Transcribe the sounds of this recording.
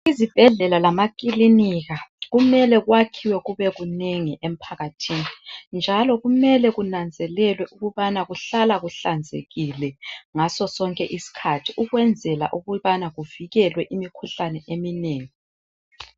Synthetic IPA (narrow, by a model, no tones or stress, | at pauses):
izib̥ʱɛɮɛlalamakʼiliniɣaɣumɛlɛɣwakʰiwɛɣuβɛɣuneŋiʔem̩pʰaɣatʰinind͡ʒʱalɔɣumɛlɛɣunand͡zʱɛlɛlwɛʔuɣuβanaɣuɬalaɣuɬand͡zʱḛɣilɛŋasɔsɔŋkʼɛʔisi̥kʰatʰiʔuɣwɛnd͡zʱɛla̰ʔuɣuβanaɣuviɣɛlwɛʔimikʰuɬanɛʔemineːŋi